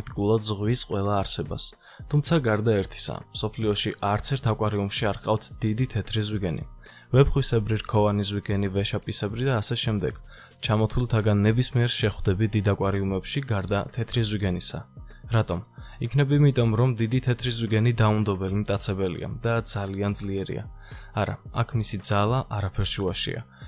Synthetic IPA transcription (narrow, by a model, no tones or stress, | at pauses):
k̚t̪ʼikʼulˠad̪zʁwisqʼwɛlˠaːɾsɛba̰s | t̪ʰumt̪sʰaɡaɾd̪aɛɾt̪ʰi̥sa̰msɔpʰliɔʃiʔaɾt̪sʰɛɾt̪ʰakʼwaɾiumʃiaɾqʼaft̪ʰd̪̥id̪it̪ʰɛt̪ʰɾizwiɡɛnḭ | vɛpχwisɛbɾiɾkʰɔvanizwiɡɛnivɛʃapʼisɛbɾid̪aːsɛʃɛmd̪ɛɡ̥ | t͡ʃʰamɔt̪ʰulˠt̪ʰaɡanːɛbismiɛɾʃɛχwd̪ɛbid̪id̪akʼwaɾiumɛpʃiɡaɾd̪at̪ʰɛt̪ʰɾizwiɡɛnisa̰ | ɾat̪ʼɔmikʰnɛbimit̪ʼɔmɾɔmd̪id̪it̪ʰɛt̪ʰɾizwiɡɛnid̪aund̪ɔbɛlimt̪ʼat̪sʰɛbɛlḭa̰d̪ad̪z̥aliand̪zliɛɾḭa̰aɾa̰akʰmisid̪zalˠaʔaɾapʰɛɾʃuaʃḭa̰